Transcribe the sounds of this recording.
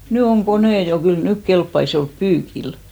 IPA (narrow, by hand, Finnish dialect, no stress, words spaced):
ny oŋ koneˑ jo kyl nyk kelpːɑis jo olp pyːkil